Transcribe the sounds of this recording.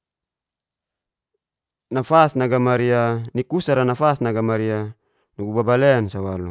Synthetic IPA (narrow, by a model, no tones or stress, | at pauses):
nafasnaɡamaɾianikusaɾanafasnaɡamaɾia | nuɡubabaleansawalṵ